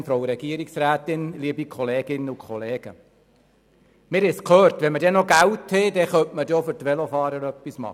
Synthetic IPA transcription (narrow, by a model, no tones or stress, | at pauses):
nfɾɔʊɾɛɡiəɾiksɾæːt̪ɪnliəbikʰɔleːɡ̥ɪnəukʰχɔleːɡ̥ə | mɪːɾɪskʰlœːɾtʋɛnmədɛnɔɡæwt̪hɛdɛχœmʔmədofʏɾtʋɛlofɑːɾəɾœpːismɑ̰